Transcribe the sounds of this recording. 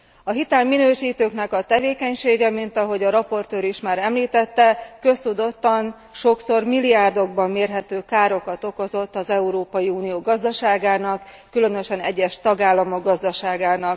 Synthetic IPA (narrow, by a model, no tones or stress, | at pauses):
ɒɦit̪ɛlminøːʃiːt̪øːknɛkɒt̪ɛveːkɛɲʃeːɡɛmint̪ɒɦo̞ɟɒɾɒpo̞rt̪øːɾiʃmaːɾɛmliːt̪ɛt̪ːɛkø̞st̪ud̪o̞t̪ːɒn | ʃo̞kso̞rmilijaːrd̪o̞ɡ̚bɒmːeːrɦɛt̪øːkaːɾo̞kɒt̪o̞ko̞zo̞t̪ːɒzɛuɾoːpɒjiuːnijoːɡɒzd̪ɒʃaːɡaːnɒkː | ylønø̞ʃɛnɛɟːɛʃt̪ɒɡaːlːɒmo̞ɡɡɒzd̪ɒʃaːɡaːnɒk